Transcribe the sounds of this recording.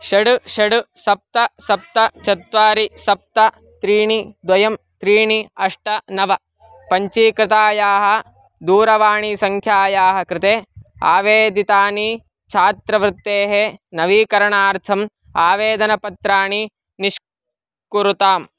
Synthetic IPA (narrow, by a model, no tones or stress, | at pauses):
ʃɐɽuʃɐɽusɐp̚t̪ɐsɐp̚t̪ɐt͡ʃɐt̪ʋaːɾisɐp̚t̪ɐ | t̪ɾiːɳid̪ʋɐjɐm | t̪ɾiːɳiɐʂʈɐnɐʋɐ | pɐɲt͡ʃiːkɾɪt̪aːjaːɦɐ | d̪uːɾɐʋaːɳisɐŋkʰjaːjaːɦɐkɾɪt̪eːa̰ːʋeːd̪it̪aːni | t͡ʃʰaːt̪ɾɐʋɾɪt̪ːeːɦenɐʋiːkɐɾɐɳaːɾt̪ʰɐm | aːʋeːd̪ɐnɐpɐt̪ɾaːɳi | niʂ | kuɾut̪aːm